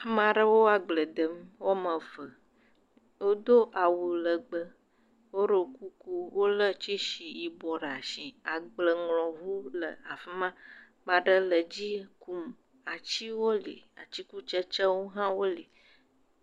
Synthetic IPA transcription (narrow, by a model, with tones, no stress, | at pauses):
mã˨ɖə˦wo˦a˨ɡ͡blə˨d̪ə˨mwo˦mə̃˨və˨ | wo˦d̪o˦ʔa˨wu˨lə˨ɡ͡bə˨ | wo˦ɖə˨ku˦ku˦wo˦lə˦t͡ʃi˦ʃi˨ji˨bɔ˨ɖa˨ʃi˨a˨ɡ͡blə˨ŋlɔ̃˨vu˦lə̰˨a˨fi˦mã˦ | mã˨ɖə˦lə˨d͡ʑi˦ku˦˨m | a˨t͡ʃi˦wo˦lḭ˨a̰˨t͡ɕi˦ku˦t͡ʃə˦t͡ʃə˦wo˦ɦã˦wo˦li˨